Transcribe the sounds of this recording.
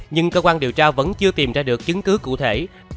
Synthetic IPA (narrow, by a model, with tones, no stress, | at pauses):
ɲɨ˧ŋkəː˧kwaː˧nɗi˨˩əwt͡ɕaː˧və̰˧˥nt͡ɕɨ˧ət̪i˨˩mzaː˧ɗɨ˨˩ək̚t͡ɕɨ˨˦ŋkɨ˨˦kṵ˧˨t̪ʰe˧˩